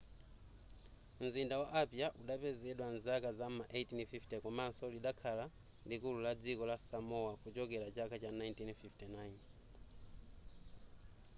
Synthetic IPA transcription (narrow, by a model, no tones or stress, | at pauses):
m̩zindawaʔapjaʔuɗapɛzɛɗwanzakazamaʔejtinfiftɛkɔmansɔliɗakʰala | likululad͡zikɔlasamɔwakut͡ʃɔkɛlat͡ʃakʰat͡ʃanajntinfiftɛnajn